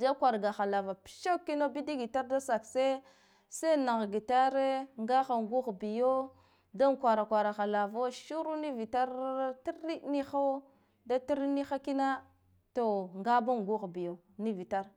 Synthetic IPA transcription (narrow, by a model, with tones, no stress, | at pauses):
da˦kʷa˨ɾɡa˨xa˨la˨va˨pi̥˦ʃa˦kːi˦na˦bi˦di˦ɡi˨ta˦ɾda˦sa˨kse˦ | se˦na˨ɣɡi˨ta˦ɾe˦ŋɡa˦xa˨ŋ˨ɡu˦ɣbi˨jo˦ | da˦ŋkʷa˨ɾa˨kʷa˨ɾa˨xa˨la˨vo˦ʃu˦ɾu˦ni˦vi˨ta˦ɾti˦ɾi˦ni˦xa˦ | da˦ti˦ɾni˦xa˦ki˦na˦ | to˨ŋɡa˦ba˦ŋ˨ɡu˦ɣbi˨jo˨ | ni˦vi˨ta˦ɾ